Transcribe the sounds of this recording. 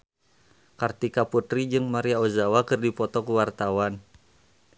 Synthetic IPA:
kart̪ikaput̪ɾid͡ʒɨŋmaɾiaozawakɨrdipɔt̪ɔkəwart̪awan

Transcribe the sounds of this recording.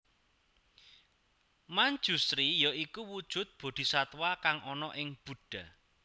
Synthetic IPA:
maɲd͡ʒust̪ɾijɔikuwud̥ʒ̥ʊ̤t̪̚b̥o̤d̪̥i̤sat̪wakaŋʔɔnɔʔɪŋb̥ṳɖ̥a̤

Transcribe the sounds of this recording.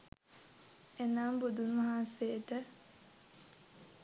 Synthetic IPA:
enaːmbud̪unmɐɦaːnset̪ə

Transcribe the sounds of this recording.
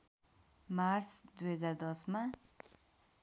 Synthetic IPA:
maɾsd̪wezad̪ɔsma

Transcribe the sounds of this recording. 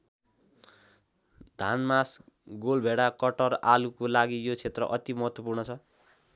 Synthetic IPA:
d̪ʱanmas | ɡolbʱeɽakʌʈʌralukolaɡijot͡sʰet̪rʌ̰ʔʌt̪imʌɦʌt̪wʌpurnʌt͡sʰʌ

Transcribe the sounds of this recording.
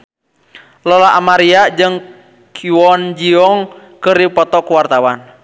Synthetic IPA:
lɔlaʔamaɾiad͡ʒɨŋ | kʰiwɔnd͡ʒiɔŋkɨrdipɔt̪ɔkuwart̪awan

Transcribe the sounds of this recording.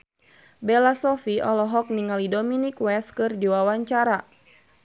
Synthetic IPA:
bɛlasɔfiɔlɔɦɔk̚niŋalidɔminikwɛskɨrdiwawaɲt͡ʃaɾa

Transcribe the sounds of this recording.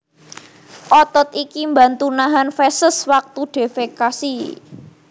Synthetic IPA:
ʔɔt̪ɔt̪ikimba̤nt̪unaɦanfɛsəswak̚t̪uɖ̥e̤fekasi

